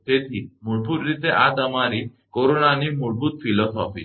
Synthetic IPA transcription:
t̪et̪ʰiːmuɭpuːɾɾit̪eʔat̪əmaɾi | koɾonanimuɭput̪̚filɔsɔ̰fḭː

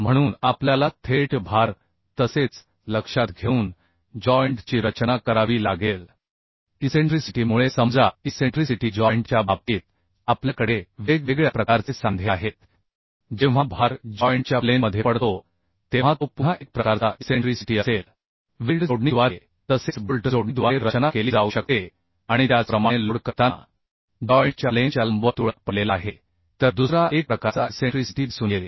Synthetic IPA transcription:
m̤əɽ̃uːnapljalat̪ʰeʈbʱaɾ | t̪əset͡s | ləkʂat̪ɡʱeuːn | d͡ʑɔjɳʈt͡ɕiːɾət͡ɕnakəɾaʋiːlaɡel | iseɳʈɾisiʈiːmuɭesəmd͡zʱaiseɳʈɾisiʈid͡ʑɔjɳʈt͡ɕjabab̚t̪iːt̪̚ | apljakəɽeʋeɡʋeɡɭjapɾəkaɾt͡sesand̪ʱjaɦet̪ | d͡ʑẽʋ̤abʱaɾd͡ʑɔjɳʈt͡ɕjaplenməd̪ʱjepəɽt̪o | t̪eʋ̤at̪opuɦaʔek̚pɾəkaɾt͡saʔeseɳʈɾisiʈiːəsel | ʋilʈd͡zoɽɳiʋaɾe | t̪əset͡sbulʈəd͡zoɽnid̪ʋaeɾət͡ɕənakeliːd͡zauːɕək̚t̪e | aɽ̃it̪jat͡spɾəmaɽ̃eluɽkət̪a | d͡ʑɔjɳʈt͡ɕjalet͡ɕjaləmbʱət̪uɭət̪̚pəlelaːɦe | t̪əɾd̪usɾaʔek̚pɾəkat͡saseɳʈɾisi̥ʈiːd̪isuːnjee

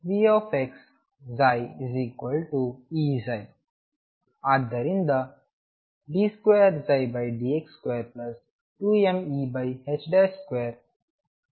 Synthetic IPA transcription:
ʋiofeks | zaːjiziːkwəlʈuiːzaj | ad̪əɾĩnd̪ɐ | ɖiːskweːɾzajbajɖiːekskweːɾplɐs | ʈuemibajhet͡ʃɖeskweːɾ

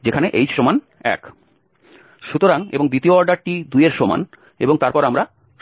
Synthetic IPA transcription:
d͡ʑekʰaneʔejʃoman | ɛ̰k | ʃut̪oɾaŋḛboŋd̪it̪ioɔɾɖaɾʈid̪ujeɾʃoma̰n | eboŋt̪aɾpɔɾamɾa

